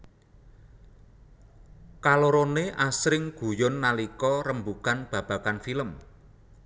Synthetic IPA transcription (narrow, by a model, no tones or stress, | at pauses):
kaloɾoneʔasɾɪŋɡ̥ṳjʊnːalikɔɾəmbukanb̥ä̤b̥ä̤kanfiləm